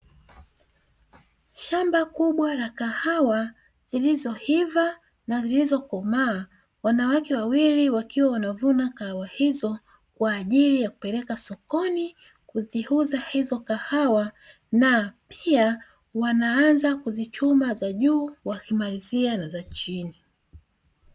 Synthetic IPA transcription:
ʃambakuɓwalakahawa | zilizɔhiva | nazilizɔkɔmaː | wanawakɛwawiliwakiwawanavunakahawahizɔ | kwaːʄilijakupɛɾɛkasɔkɔni | kuzihuzahizɔkahawa | napia | wanaanzakuzit͡ʃumazaʄuːwakimalizianazat͡ʃini

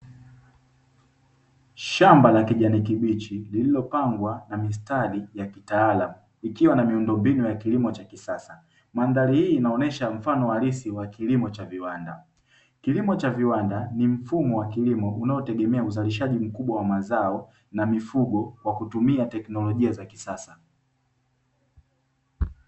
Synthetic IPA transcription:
ʃambalakiʄanik̬iɓit͡ʃilililɔpaŋɡwanamis̬talijakitaːlamu | ikiwanamiundɔmbinujakilimɔt͡ʃakisasa | mandalihiːnaɔnɛʃam̩fanɔwalisiwakilimɔt͡ʃaviwanda | kilimɔt͡ʃaviwandanim̩fumɔwakilimɔʔunaɔtɛɠɛmɛauzaliʃ̬aʄim̩kuɓwawamazaɔ | namifuɡɔkwakutumiatɛknɔlɔʄiazakisasa

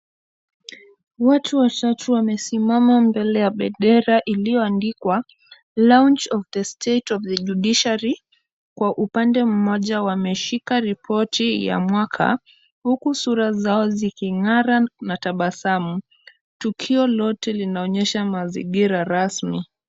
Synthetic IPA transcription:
watʰuwatatʰuwamɛsimamambɛlɛjaɓɛɗɛɾaʔilijɔandikwa | lawnt͡ʃɔvðəstʰetɔvðəʄuɗiʃaɾi | kwaʔupandɛm̩mɔʄawamɛʃikaɾipʰɔtija̰mwakʰa̰ | hukusuɾazaɔzikiŋaɾanataɓasamu | tukʰiɔlɔtɛlinaɔɲɛʃamazḭɡiɾaɾasmi

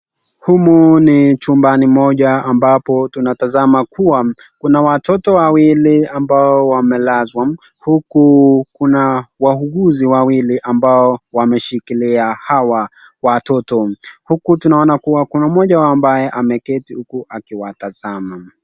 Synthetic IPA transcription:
humunit͡ʃumbanimɔʄaːmbapɔtunatazamakuwa | kunawatɔtɔwawiliambaɔwamɛlazwa | hukukunawahuɡuziwawiliʔambaɔwamɛʃikiliahawa | watɔtɔhukutunaɔnakuwakunamɔʄaambajɛʔamɛkɛtihukuʔakiwataz̥ama

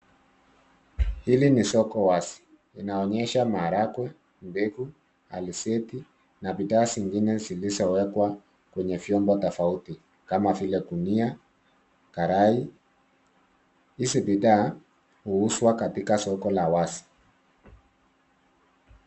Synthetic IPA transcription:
hilinisɔkɔwasi̥ | inaɔɲɛʃamaːɾakwɛ | mbɛku | alisɛti | nabiðaːsiŋɡinɛzilizɔwɛkwa | kwɛɲɛvjɔmbɔtɔfauti | kamavilɛkunia | kaɾai | isibiðaː | huuswakatikasɔkɔlawasi̥

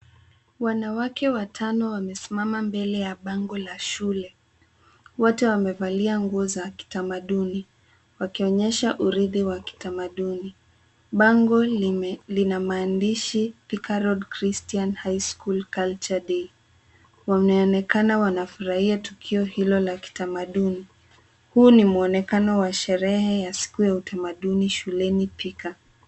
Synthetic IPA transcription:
wanawakɛwatʰanɔwamɛsimamambɛlɛjaɓaŋɡɔlaʃulɛ | wɔtɛwamɛvaliaŋɡuɔzaki̥tamaɗuni | wakiɔɲɛʃaʔuɾiðiwaki̥tamaɗuni | ɓaŋɡɔlinamaːndiʃipikaɾɔdkɾistianhajskulkalt͡ʃaɗi | wamɛɔnɛkanawanafuɾahiatukʰiɔhilɔlaki̥tamaɗuni | huːnimuɔnɛkanɔwaʃɛɾɛhɛjasi̥kujautʰamaɗuniʃulɛnipʰika

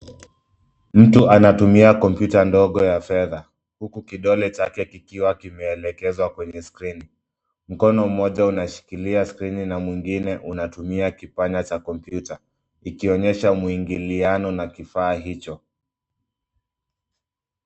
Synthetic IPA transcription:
m̩tuʔanatumiakɔmpjutandɔɠɔjafɛða | hukukiɗɔlɛt͡ʃakɛkikiwakimɛːlɛkɛzwakwɛɲɛskɾini | m̩kɔnɔm̩ːɔʄaunaʃi̥kiliaskɾininamwiŋɡinɛʔunatumiakipaɲat͡ʃakɔmpjuta | ikiɔɲɛʃamuiŋɡilianɔnakifaːɦit͡ʃɔ

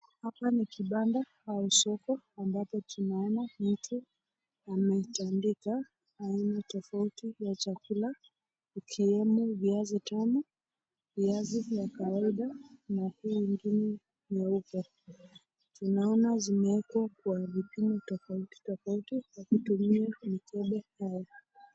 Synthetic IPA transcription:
hapanikiɓanda | hausɔkɔambapɔtunaɔnam̩tʰu | amɛtandikaː | inatɔfautijat͡ʃakula | ikʰiɛmuviazitanɔ | viazijakawaiɗanahuwiŋɡinɛ | nɛukɔ | tunaɔnazimɛɛkwakwavipimɔtɔfauti̥tɔfautijakutumiamikʰɛɓɛhaja

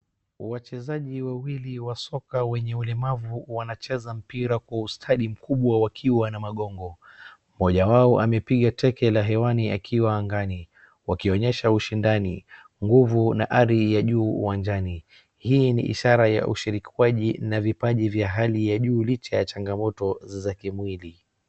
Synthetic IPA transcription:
wat͡ʃɛzaʄiwawiliwasɔkawɛɲɛulɛmavuwanat͡ʃɛzam̩piɾakwaustʰaɗim̩kʰuɓwawakʰiwanamaɠɔŋɡɔ | mɔʄawaɔʔamɛpiɠatʰɛkɛlaɦɛwaniakʰiwaːŋɡani | wakiɔɲɛʃauʃindani | ŋɡuvunaʔaɾijaʄṵːwand͡ʒani | hinḭʔḭʃaɾaja̰ʔṵʃiɾikiwaʄinavipaʄivjaɦalijaʄuːlit͡ʃajat͡ʃaŋɡamɔtɔzakimwili

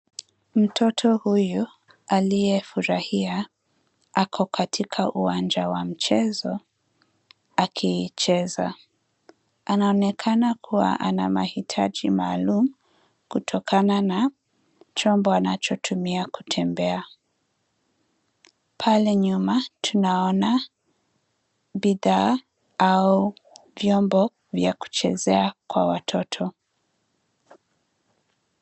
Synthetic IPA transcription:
m̩tʰɔtʰɔhuju | alijɛfuɾahia | akʰɔkʰatʰikʰaʔuwand͡ʒawam̩t͡ʃɛzɔ | akʰiːt͡ʃɛza̰ | anaɔnɛkʰanakʰuwa̰ʔana̰ma̰hitʰad͡ʒimaːlumu | kutʰɔkʰanana | t͡ʃɔmbɔanat͡ʃɔtʰumiaku̥tʰɛmbɛa | pʰalɛɲumatʰunaɔna | biða | auvjɔmbɔ | vjaku̥t͡ʃɛ̰zɛakwa̰watʰɔtʰɔ

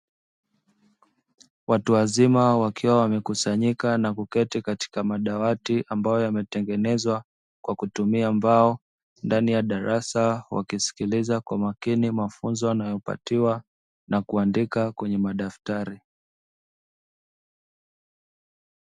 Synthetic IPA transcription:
watuwazimawakʰiwawamɛkusaɲikanakukɛtikati̥kamaɗawatiʔambajɔjamɛtɛŋɡɛnɛzwa | kwakutumiambaɔ | ndanijaɗaɾasawa̰kisi̥kilizakwamakinimafunzɔanajɔpa̰tiwa | nakuandikakwɛɲɛmaɗaftaɾi

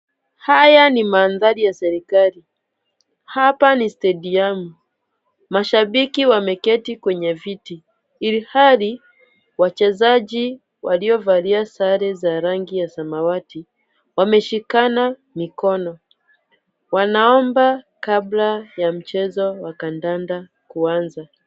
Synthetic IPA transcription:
hajanimaːnðaɾijasɛɾikali | hapanistɛɗiamu | maʃaɓikiwamɛkɛtikwɛɲɛviti | ilihali | wat͡ʃɛzaʄi | waliɔvaliasaɾɛzaɾaŋɡijasamawati | wamɛʃikana | mikɔnɔ | wanaɔmba | kablajam̩t͡ʃɛzɔwakandanda | kuanza

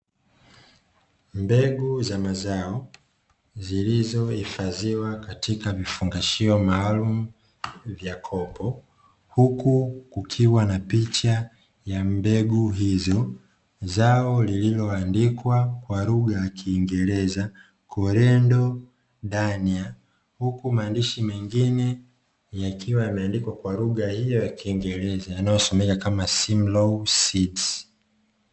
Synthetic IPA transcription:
mbɛɡuzamazaɔ | zilizɔifaziwakatikavifuŋɡaʃiɔmaːlum̩ | vjakʰɔpɔ | hukukukʰiwanapit͡ʃa | jambɛɡuɦizɔ | zaɔlililɔandikwakwaluɠajakʰiːŋɡɛɾɛza | kʰɔɾɛndɔ | ɗania | hukumaːndiʃimɛŋɡinɛ | jakʰiwajamɛandikwakwaluɠahijɔjakiːŋɡɛɾɛzajanajɔsɔmɛkakamasimlɔsids

